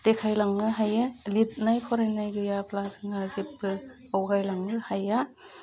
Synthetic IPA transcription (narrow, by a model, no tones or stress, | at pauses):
tekʰajlaŋːɯɦajalit̚najpʰɔɾajnajɡɯjaplazɯŋazep̚ɡɯ | awɡajlaŋːɯhaja